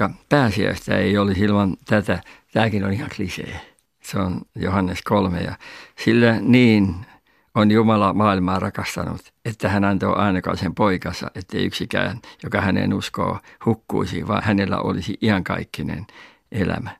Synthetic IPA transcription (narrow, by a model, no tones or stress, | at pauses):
ɑpæːsiæ̰ist̪æeiolisilmɑnt̪æt̪æt̪æːkinonihɑŋklisḛː | seonjohɑnːeskolmḛjɑ̰silːæniːn | onjumɑlɑmɑːilmɑːrɑkɑst̪ɑnṵt̪ | et̪ːæhænɑnt̪o̰ʔɑinɑkɑ̰ːsempoikɑsɑ̰ʔet̪ːeiy̰ksikæːnjokɑhænḛnusko̰ːhukːṵisḭʋɑ̰ːnhænelːæ̰ʔolisiʔihɑŋkɑ̰ikːinḛn | ʔelæ̰mæ